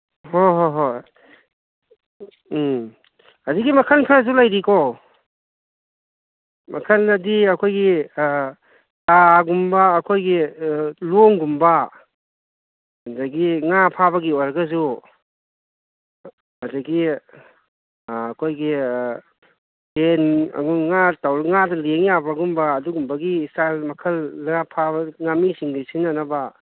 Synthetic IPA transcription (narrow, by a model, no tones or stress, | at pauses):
hoɦoɦoj | adiɡimɐkʰankʰazulajɾiko | mɐkʰanɐdiɐkʰojɡi | taɡumbaːkʰojɡiloŋɡumba | zaɡiŋapʰabɐɡiojɾɐɡɐz̬u | azaɡi | kʰojɡi | ten̰ŋatawɾŋadɐleŋjabaɡumbaːduɡumbɐɡiːstalmɐkʰɐlːŋapʰabɐŋamisiŋdisinanɐba